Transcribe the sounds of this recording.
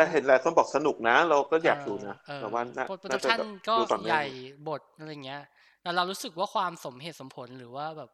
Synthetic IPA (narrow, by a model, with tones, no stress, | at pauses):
tɛ˧˩ɦe˨˩˦nɾaː˧˦kʰo˥˩nbɔː˨˩k̚sa˧nu˨˩k̚na˦˥ɾa˧wkɔː˥˩jɛː˨˩p̚duː˧na˦˥ʔɤːbɛː˨˩waː˥˩naː˦˥˩po˨˩pːnaː˥a˨˩aː˥˨˩nkɔː˥u˧fa˨˩ŋmaja˨˩jbo˨˩t̪̚ʔa˧ɾa˧jːŋːi˦˥ɐ | t̪ɛː˨˩ɾa˧wɾuː˦˥sɯ˨˩k̚waː˥˩kʰwaː˧mso˩˦mɦeː˨˩t̪̚so˩˦mpʰo˩˦nɾɯː˩˦waː˥˩bɛː˨˩p̚